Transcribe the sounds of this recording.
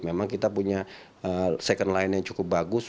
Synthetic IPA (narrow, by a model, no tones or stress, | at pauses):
memaŋkit̪apuɲa | əsɛkəndlaɪnjaŋt͡ʃukʊp̚baɡʊs